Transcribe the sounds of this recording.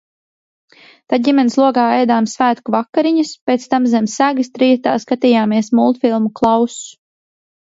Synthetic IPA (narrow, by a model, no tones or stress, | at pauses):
t̪aɟimʲɛnslˠuɔɡaːɛjd̪aːmsvæːt̪kuvakːaɾiɲuspʲet̪st̪amzɛmsæɡɨst̪ɾijɛt̪a̰ːskat̪iːjaːmiɛsmulˠt̪filˠmuklˠɑwsu̥